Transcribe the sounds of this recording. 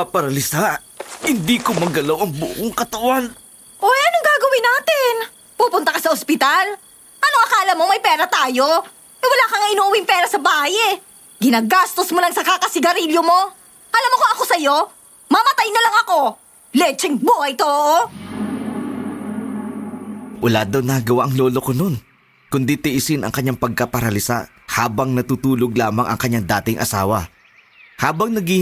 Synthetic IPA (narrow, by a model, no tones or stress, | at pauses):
apɐɾɐlɪsa | hɪnd̪iːkomɐɡɐlawʔɐŋbʊ̰koŋkɐt̪ɐwan | ʔojʔɐnoŋɡaːɡɐwɪnaːt̪ɪn | puːpʊnt̪ɐkɐsɐʔospɪt̪al | ʔɐnoʔɐkaʔːlɐmːomɐjpɛːɾɐt̪aːjo̞ | ʔɛwɐlaːkɐŋaʔɪnuːʔʊwɪŋpɛːɾɐsɐbaːhɐjɛ | ɡɪnaːɡast̪osmolɐŋsɐkaːkɐsɪɡɐɾiljomo̞ | ʔɐlamokoɐko̞sɐjo̞ | mɐmɐt̪ajnɐlɐŋɐko̞ | lɛt͡ʃɛŋbuːhɐjt̪oʔʔo | ʔɐla̰ːd̪ɐwnɐɡɐwaʔɐŋlo̞ːlokono̞n | kʊnd̪it̪ɪʔɪsɪnɐ̰ŋkɐɲːaŋpɐɡ̚kɐpɐɾɐlɪsa̰ | haːbɐŋnɐt̪uːt̪uːloɡ̚laːmɐŋɐ̰ŋkɐɲːaŋd̪a̰ːt̪ɪŋʔɐ̰sa̰ːwɐ̰ | haːbɐŋnɐɡi